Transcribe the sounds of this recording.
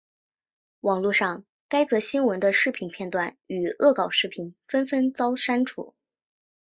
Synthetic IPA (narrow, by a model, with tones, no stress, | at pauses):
wɑ˨˩ŋlu˥˧ʂɑ˥˩ŋ | ka˥ɪt͡sɤ˧˥ɕi˥nwə˧˥nd̪ə˧ʂɻ̩˥˩pʰi˨˩npʰjɛ˥˧nt̪wa˥˩ny˨˩ɤ˥˩kɑ˨˩ʊʂɻ̩˥˩pʰi˨˩nfə˥nfə˥nt͡sɑ˥ʊʂa˥nʈ͡ʂʰṵ˨˩˦